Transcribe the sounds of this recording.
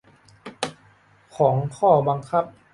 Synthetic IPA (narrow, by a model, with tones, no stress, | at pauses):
kʰɔː˩˦ŋkʰɔː˥˩ba˧ŋkʰa˦˥˩p̚